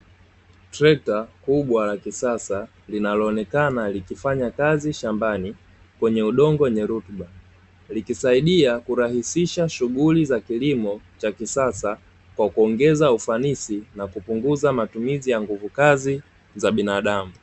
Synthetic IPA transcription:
tɾɛk̚takuɓwalakisasa | linalɔːnɛkanalikifaɲakaziʃambani | kwɛɲɛuɗɔŋɡɔɛɲɛɾutɓa | likisaiɗiakuɾahisiʃaʃuɠulizakilimɔt͡ʃakisasa | kwakuɔŋɡɛzaufanisinakupuŋɡuzamatumizijaŋɡuvukazi | zaɓinaɗamu

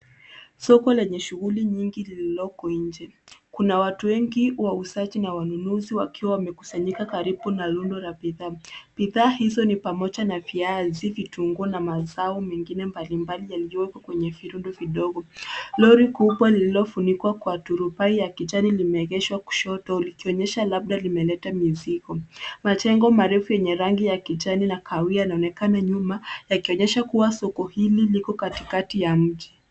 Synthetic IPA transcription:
sɔkɔlɛɲɛʃuɣuliɲiŋɡilililɔkɔiɲd͡ʒɛkunawatuwɛŋɡiwausat͡ʃinawanunuziwakiwawamɛku̥saɲikakaɾibunalundɔlabiðaːb̥iðaːhizɔnipamɔʄanaviazivituŋɡuɔnamazaumɛŋɡinɛmbalimbalijaliɔwɛkɔkwɛɲɛviɾundɔviɗɔɡɔlɔɾikupwalililɔfunikwakwatuɾupaijakit͡ʃanilimɛːɣɛʃwaku̥ʃɔtɔlikiɔɲɛʃalab̚ɗalimɛlɛtamizikɔmat͡ʃɛŋɡɔmaɾɛfujɛɲɛɾaŋɡijakit͡ʃaninakʰawiajanaɔnɛkanaɲumajakiɔɲɛʃakuwasɔkɔhililikɔkati̥katijam̩ʄi

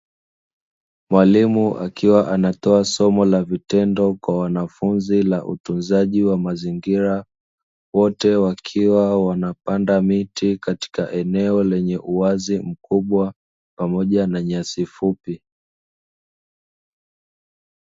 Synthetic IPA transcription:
mwalimuʔa̰kiwaʔanatɔasɔmɔlavitɛndɔkwawanafunzilaʔṵtunzaʄiwamaziŋɡiɾa | wɔtɛwakʰiwawanapandamitikati̥kaʔɛnɛɔlɛɲɛʔuazim̩kuɓwa | pamɔʄanaɲasifupi

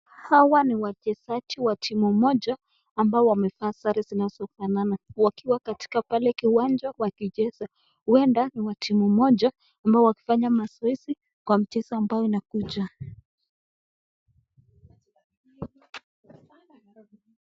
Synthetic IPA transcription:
hawaniwat͡ʃɛsat͡ʃiwatʰimumɔd͡ʒaː | mbaɔwamɛfaːsaɾizinazɔfananawakiwakati̥kapalɛkiwand͡ʒawakiʄɛza | huɛndaniwatʰimumɔʄaː | mbaɔwaki̥faɲamasaisi | kwam̩t͡ʃɛsaːmbajɔinakud͡ʒa

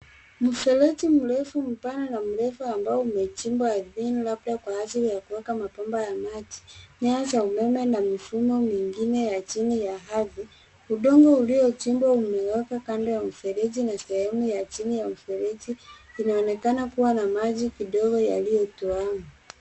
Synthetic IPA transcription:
m̩fɛlɛtim̩ɾɛfum̩pananam̩ɾɛfuambaɔumɛt͡ʃimbwaðinlabdakwahasiɾijakuwɛkamapambajamad͡ʒi̥ɲaazaumɛmɛnamifumɔmiŋɡinɛjat͡ʃinijaɦavi | uɗɔŋɡɔuliɔt͡ʃimbwaumɛwɛkakandɔjam̩fɛɾɛd͡ʒinasɛhɛmujat͡ʃinijam̩fɛlɛtiːnaɔnɛkanakuwanamaʄikiɗɔɡɔja̰lijɔtuaŋa

